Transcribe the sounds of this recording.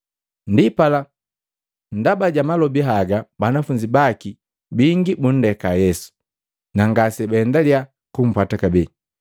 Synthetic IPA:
ndipala | ndabaɟamalɔbiɦaɡabanafuɲd͡ʒibaki | biŋɡibun̩dɛkajɛsu̥ | naŋɡasɛbaɛndalia | kum̩pwatakabɛ

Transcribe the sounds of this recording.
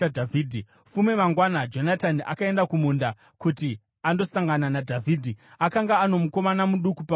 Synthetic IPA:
adʱavʱiːdʱi | fume̞maŋɡwanad͡ʒo̞nataniʔa̰kae̞ndakumunda | kuti | ando̞saŋɡananadʱavʱiːdʱiakaŋɡaːno̞muko̞manamuɗukupa

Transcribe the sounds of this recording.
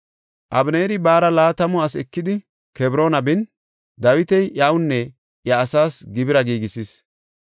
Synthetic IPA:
ʔɐbneːɾɪbaːɾɐlaːt̪ɐmɔɐsɛkːɪd̪ɪ | kɛbɾo̞ːnɐbɪn | d̪ɐwɪt̪ɛjʔawʊnːɛ | ʔjɐːsaːsɡɪbɪɾɐɡiːɡɪsiːs

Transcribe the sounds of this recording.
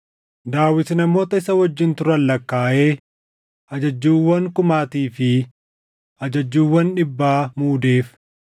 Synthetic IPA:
d̪aːwɪt̪nɐmo̞ːt̪ɐɪsɐwɔd͡ʒːɪnt̪ʊɾɐlːɐkːaːʔeː | ɐd͡ʒɐd͡ʒːuːwːɐŋkʊmaːt̪iːfɪ | ʔɐd͡ʒɐd͡ʒːuːwːɐnᶑɪbːaːmuːd̪e̞ːf

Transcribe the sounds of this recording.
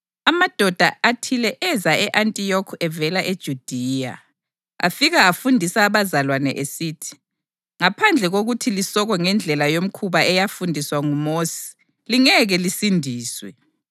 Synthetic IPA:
amad̥ʱɔd̥ʱaatʰilɛʔɛzaɛʔantʼijɔkʰɛvɛlaʔed̥ʒ̥ʱud̥ʱija̰ | a̰fiɣaafundʱisaːβazalwanɛʔesiːtʰi̥ | ŋapʰand͡ɮʱɛɣoɣutʰilisɔɣɔŋɛnd͡ɮʱɛlajom̩kʰuβaɛjafundʱiswaŋumoːsi̥ | liŋɛɣɛlisindʱiːswɛ̰

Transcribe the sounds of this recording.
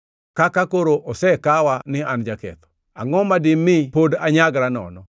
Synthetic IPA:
kakakoɾoʔosɛkawanɪand͡ʒakɛ̰t̪ɔ̥ | a̰ŋɔmadɪmːɪpodaɲaɡɾanɔ̰nɔ

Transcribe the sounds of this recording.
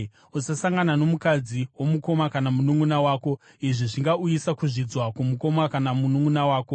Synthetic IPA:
usasaŋɡanano̞mukad͡ziwo̞muko̞makanamunuŋɡunawaːko̞ | iʐiʐiŋɡaujisakuʐid͡zwakumuko̞makanamunuŋunawaːko̞

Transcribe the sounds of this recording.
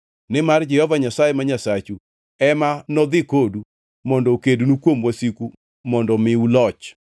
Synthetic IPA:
nɪmard͡ʒɛhɔvaɲasajemaɲasat͡ʃu | ɛmanɔd̪ɪkodu | mɔndɔkedunukwomwasiku | mɔndɔmɪulɔt͡ʃ

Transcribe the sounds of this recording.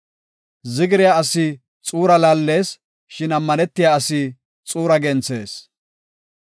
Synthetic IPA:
zɪɡɪɾɪjaɐsɪ | t͡sʼuːɾɐlaːlːe̞ːs | ʃɪnɐmːɐnɛt̪ːɪjaːɐsɪ | t͡sʼuːɾɐɡɛnt͡se̞ːs

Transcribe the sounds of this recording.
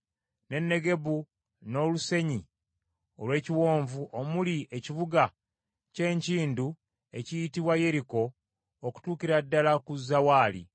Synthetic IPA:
ne̞nːe̞ɡe̞βu | no̞luse̞ɲi | o̞lwe̞ːciwo̞ːɱvuʔo̞mulieciβuɡa | ce̞ːɲciːndu | e̞cijitiβwaje̞ɾiko̞ː | ku̥tuːkiɾadːalakuzːawaːlḭ

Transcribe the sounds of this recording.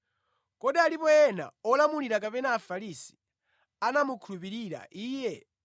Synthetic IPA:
kɔɗialipɔjɛna̰ɔlamuliɾakapɛnaːfaɾisi̥ | anamukʰulupiɾiɾa̰ʔiːjɛ

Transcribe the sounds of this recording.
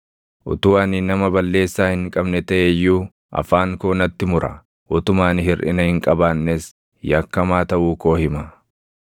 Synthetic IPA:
ʔʊ̰t̪ʊwaːnɪnɐmɐbɐlːe̞ːsːaːhɪŋkʼɐbnɛt̪ɐʔejːuː | ʔɐ̰faːŋkoːnɐt̪ːɪmʊɾɐ̰ | ʔʊt̪ʊmaːnhɪrʔɪ̰nɐhɪŋkʼɐbaːnːes | jɐkːɐmaːt̪ɐʔuːko̞ːhɪmɐ

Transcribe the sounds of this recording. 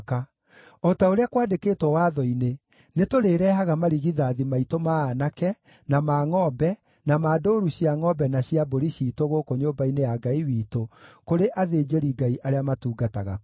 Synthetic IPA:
ka | ɔtaoɾeakwaːdekeːtwɔwaːðɔine | netoɾeːɾɛːɦaɣamaɾiɣiðaːðimaitomaːnakɛ | namaːŋɔbɛ | namaːdoːɾuɕiaŋɔbɛnaɕiaboɾiɕiːtoɣokoɲoːbainejaɡaiwiːtokoɾeʔaðed͡ʑeɾiɡaiʔaɾeamatuːɡataɣa̰

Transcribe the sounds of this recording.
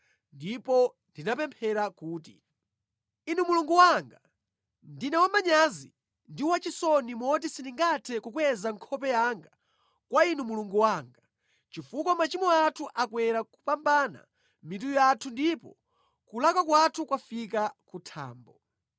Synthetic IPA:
ndipɔ | ndinapɛmpʰɛɾakuːtḭ | inumuluŋɡuwaŋɡa | ndinɛwamaɲazi | ndiwat͡ʃisɔnimɔt̬isiniŋɡatʰɛkukwɛzaŋkʰɔpɛjaŋɡa | kwainumuluŋɡuwaŋɡa | t͡ʃifukɔmat͡ʃimɔatʰuʔakwɛɾakupambana̰ | mit̬ujɔatʰundipɔ̰ | kulakakwatʰukwafikakutʰa̰ːmbɔ

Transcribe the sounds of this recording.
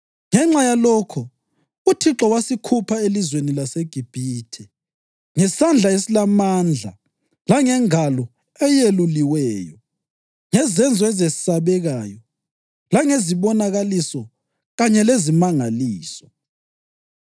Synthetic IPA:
ŋɛŋ͡ǁajalɔkʰɔ | utʰiǁɔwasikʰupʰaelizwenilaseɡ̥ʱib̥ʱiːtʰɛ | ŋɛsand͡ɮʱaesilamand͡ɮʱa̰ | laŋɛŋalɔ | ɛjeluliwɛːjɔ | ŋɛzɛnd͡zʱɔɛzesi̥saβɛɣaːjɔ | laŋeziβɔnaɣalisɔ | ɣaɲɛlezimaŋaliːsɔ̥

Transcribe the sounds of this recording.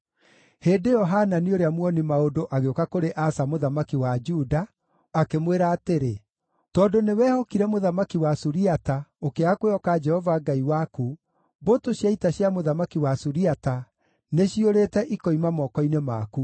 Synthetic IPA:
heːdejɔɦananioɾeamwɔnimaodoʔaɣeokakoɾeʔasamoðamakiwad͡ʒudaː | kemweɾaːteɾe | tɔndonewɛːhɔkiɾɛmoðamakiwasuɾiataokeakweɔkad͡ʒɛhɔvaɡaiwaku | botoɕjaitaɕjamoðamakiwasuɾiata | neɕioɾeːtɛʔikɔimamɔkɔinemaku

